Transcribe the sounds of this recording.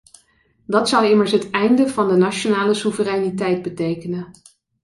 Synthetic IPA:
dɑtsʌwɪməɹsɦətɛjndəvɑndənat͡ʃonaːləsuvərɛjnitɛjd̚bətejkənə

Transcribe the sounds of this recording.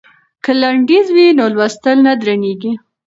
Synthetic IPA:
kəlaɳɖizwinolwast̪əlnad̪ɾaneɡi

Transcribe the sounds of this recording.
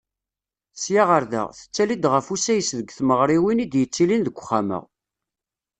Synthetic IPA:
sjaʁəɾðæ̰ʁθə̥t͡sːælid̪ʁəfusæjəsðəɡθməʁɾˤiwinid̪jət͡sːilinðəɡʷːχːamə̰ʁ

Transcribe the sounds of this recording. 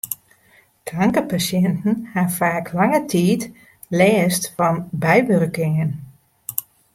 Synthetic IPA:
kraŋkəpasjɛntn̩hafaːkʰlɑŋətʰiːt | lɛːstfɑnbɛjʋørkɪŋən

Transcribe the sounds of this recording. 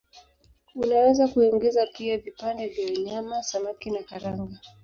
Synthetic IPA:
unawɛzakuɛŋɡɛzapiavipandɛvjawaɲamasamakinakaɾaŋɡa

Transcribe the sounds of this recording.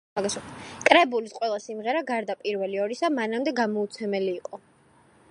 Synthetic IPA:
aɡaskʼɾɛbulisqʼwɛlˠasimʁɛɾaɡaɾd̪apʼiɾvɛliɔɾisamanamd̪ɛɡamɔut̪sʰɛmɛliːqʼɔ

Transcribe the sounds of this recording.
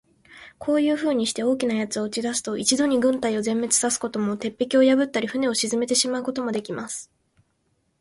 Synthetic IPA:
kʰo̞ːjɯ̟ːɸɯ̟ːɲ̟iɕi̥t̪e̞o̞ːkʲinajat͡sɨo̞ɯ̟t͡ɕid̪asɨ̥t̪o̞ʔit͡ɕid̪o̞ɲ̟iɡɯ̟̃nt̪aio̞zẽ̞mːe̞t͡sɨ̥sasɨ̥ko̞t̪o̞mo̞t̪e̞pːe̞kʲio̞jabɯ̟t̪ːaɾʲiɸɯ̟ne̞o̞ɕizɨme̞t̪e̞ɕimaɯ̟ko̞t̪o̞mo̞d̪e̞kʲimasɨ̥

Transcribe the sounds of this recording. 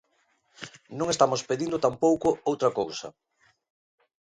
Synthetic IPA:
nõŋest̪amʊspeðind̪ʊt̪ampowkʊowt̪ɾɐkowsɐ̰

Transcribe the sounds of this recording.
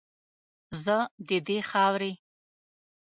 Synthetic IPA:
zəd̪id̪eχawɾi

